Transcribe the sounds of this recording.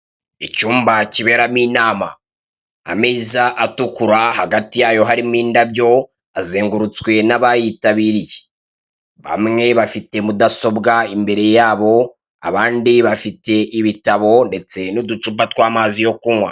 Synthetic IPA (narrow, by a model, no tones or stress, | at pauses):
icuːmbaciβe̞ɾamiːnaːma̰ː | mezaʔatukuɾahaɡatijaːjo̞ɦaɾimiːndabjo̞ | azeːŋɡuɾut͡swe̞naβajitaβiːɾije̥ | βa̰mŋe̞βafite̞mudaso̞bɡaimbe̞ɾe̞jaːβo̞ | a̰βaːndiβafite̞ʔiβitaβo̞nde̞t͡se̞nodut͡ʃupatwaːmaːzijo̞kumwa̰